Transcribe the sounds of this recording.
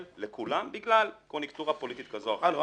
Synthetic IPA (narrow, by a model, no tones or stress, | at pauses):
llekulambiɡlalkmonikt̪uʁapolit̪it̪kazoaχalo